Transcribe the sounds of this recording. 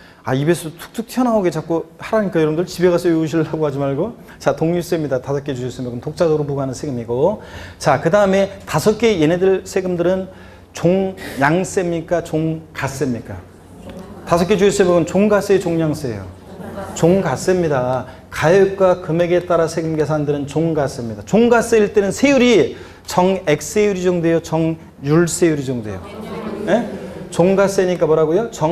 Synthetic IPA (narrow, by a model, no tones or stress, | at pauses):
aibe̞sʰotʰu̥k̚t͈ʰɯk̚tʰjʌnaoɡe̞t͡ɕak͈ohaɾaɲik͈ajʌɾʌbɯndɯɭt͡ɕibeɣasʰʌjuuɕʰiɭːaɡohad͡ʑimaɭɡo | t͡ɕatoŋjus͈emɲidatasʰʌk͈et͡ɕuʌs͈ɯmjʌɡɯntok̚t͡ɕ͈adoɾopuɡanɯnsʰe̞ɡɯmiɡot͡ɕakɯdaɯme̞tasʰʌk͈e̞je̞nedɯɭsʰe̞ɡɯmdɯɾɯn | t͡ɕoŋjaŋs͈emɲik͈at͡ɕoŋkas͈emɲik͈a | tasʰʌk͈ed͡ʑuis͈eboɡɯnt͡ɕoŋɡas͈et͡ɕoŋɲjaŋs͈ejo̰ | t͡ɕoŋɡas͈emɲida | kaj̚k͈wakɯme̞ɡe̞t͈aɾasʰe̞ɡɯmɡe̞s̬ʰandɯɾɯnt͡ɕoŋɡas͈emɲidat͡ɕoŋɡas͈eiɭt͈e̞nɯnsʰe̞juɾi | t͡ɕʌŋek̚s͈e̞juɾid͡ʑoŋdwe̞jot͡ɕʌŋ | juɭs͈e̞juɾid͡ʑoŋdwe̞̰jo̰jet͡ɕoŋɡas͈eɲik͈amʌɾaɡojot͡ɕʌ